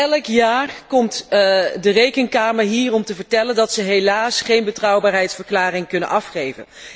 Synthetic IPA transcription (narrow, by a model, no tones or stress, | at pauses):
ɛləkjaːɹkɔmtdərejkənkaːməɹɦiːrɔmtəvəɹtɛləndɑtsəɦejlaːsχejnbətrʌwbaːɹɦɛjtsfəɹklaːrɪŋkɵnə̰nʔɑfχejvə̰n